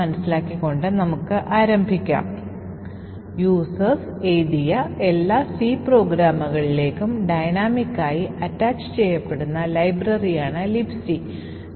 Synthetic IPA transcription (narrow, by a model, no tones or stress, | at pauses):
ɐnɐsilaːkːikːo̞ɳɖɨnɐmukːɨʔaːɾɐmbʱikʲːa̰ːm | juːsɐs | ejd̪ijɐe̞lːaːsiːpro̞ːɡɾaːmɐɣɐɭile̞ːkːumɖɐjnaːmikːaːjiɐtːaːt͡ɕːɨ̥t͡ɕe̞jːɐpːe̞ɽunːɐlɐjbrɐrijaːɳɨlipsi